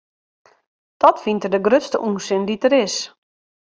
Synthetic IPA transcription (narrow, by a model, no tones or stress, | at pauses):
d̥ɔtfintərdəɡrøtstə̰ʔuːsɪnditəɾɪs